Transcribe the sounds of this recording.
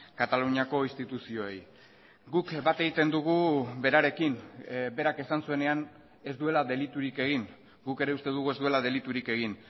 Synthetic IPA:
kat̪aluɲako̞inst̪it̪usio̞ej | ɡukbat̪e̞ɣit̪e̞nd̪uɣ̞ube̞ɾaɾe̞kinbe̞ɾake̞sansue̞ne̞an | e̞zd̪ue̞laðe̞lit̪uɾike̞ɣ̞in | ɡuke̞ɾe̞ust̪e̞ðuɣ̞ue̞zd̪ue̞laðe̞lit̪uɾike̞ɣ̞in

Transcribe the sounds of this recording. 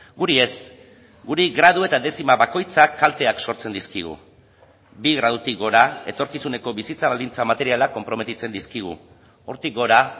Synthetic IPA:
ɡuɾie̞s | ɡuɾiɣɾað̞ue̞t̪aðe̞simaβako̞jt͡sakːalt̪e̞akso̞ɾt͡se̞nd̪iskiɣ̞ṵ | biɣɾað̞ut̪ikɡo̞ɾae̞t̪o̞ɾkisune̞ko̞βisit͡saβald̪int͡samat̪e̞ɾialako̞mpɾo̞me̞t̪it͡se̞nd̪iskiɣ̞ṵ | o̞ɾt̪ik̚ɡo̞ɾa

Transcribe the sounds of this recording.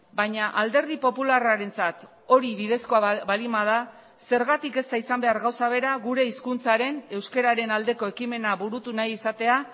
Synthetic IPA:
baɲaʔald̪e̞ɾð̞ipo̞pularaɾe̞nt͡sat̪ | o̞ɾiβiðe̞sko̞abalimað̞a | se̞ɾɣat̪ike̞st̪aisambe̞aɾɣawsaβe̞ɾaɣuɾe̞iskunt͡saɾe̞ne̞wske̞ɾaɾe̞nald̪e̞ko̞e̞kime̞naβuɾut̪unajisat̪e̞a

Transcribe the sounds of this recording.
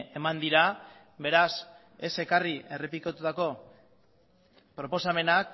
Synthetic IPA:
e̞mand̪iɾa | βe̞ɾas | e̞se̞kariʔe̞re̞pikot̪ut̪ako̞ | pɾo̞po̞same̞nak

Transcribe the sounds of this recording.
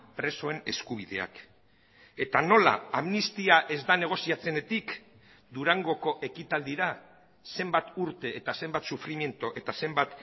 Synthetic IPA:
pɾe̞so̞e̞ne̞skuβ̞iðe̞̰a̰k | e̞t̪ano̞la̰amnist̪iaʔe̞zd̪ane̞ɣ̞o̞siat͡se̞ne̞t̪ik | d̪uɾaŋɡo̞ko̞ʔe̞kit̪ald̪iɾa | se̞mbat̪uɾt̪e̞ːt̪ase̞mbat̪sufɾimje̞nt̪oʔe̞t̪ase̞mbat̪

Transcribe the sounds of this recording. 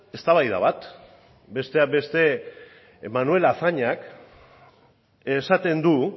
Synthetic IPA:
e̞st̪aβajða̰β̞at̪ | be̞st̪e̞abe̞st̪e̞ | manue̞laθaɲak | esat̪e̞nd̪u

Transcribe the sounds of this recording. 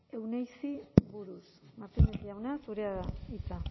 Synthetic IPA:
e̞wnejsiβuɾusmaɾt̪emend̪iawnasuɾeaðait͡sa

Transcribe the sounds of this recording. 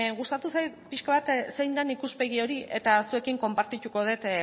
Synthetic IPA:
ɣust̪at̪usajt̪piʃkaβat̪se̞jnd̪anikuspe̞ɣ̞io̞ɾie̞t̪asue̞kiŋko̞mpaɾt̪it̪uko̞ð̞e̞t̪

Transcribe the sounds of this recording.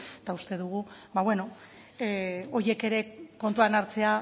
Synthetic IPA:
t̪aust̪e̞ðuɣ̞ubaβwe̞no̞ | o̞ɾje̞ke̞ɾe̞ko̞nt̪uanaɾt͡se̞a

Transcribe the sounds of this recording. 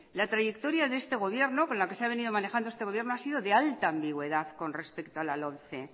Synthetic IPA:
lat̪ɾaʝe̞kt̪o̞ɾjaðe̞st̪e̞ɣ̞o̞βje̞ɾno̞ko̞nlake̞seaβ̞e̞nið̞o̞mane̞xand̪oe̞st̪eɣo̞βjeno̞asiðo̞ðe̞alt̪aːmbiɣwe̞ðaθko̞nre̞spe̞kt̪oalalo̞nθe̞

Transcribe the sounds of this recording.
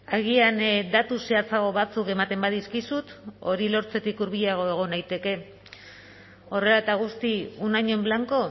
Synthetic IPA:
aɣ̞iand̪at̪useat͡saɣo̞βat͡suke̞mat̪e̞mbaðiskisut̪o̞ɾilo̞ɾt͡se̞t̪ikuɾβiʎaɣ̞o̞e̞ɣ̞o̞najt̪e̞ke̞ | o̞re̞lat̪aɣ̞ust̪iunaɲo̞mblaŋko̞

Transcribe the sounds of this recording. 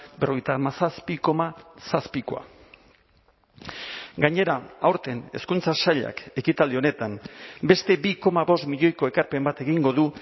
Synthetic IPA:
bero̞ejt̪amasaspiko̞masaspiko̞̰a̰ | ɡaɲe̞ɾaawɾt̪e̞ne̞̰skunt͡sasaʎa̰ke̞kit̪ald̪io̞ne̞t̪ambe̞st̪e̞biko̞maβo̞st̪miʎo̞jko̞ekaɾpe̞mbat̪e̞ɣiŋɡo̞ðu

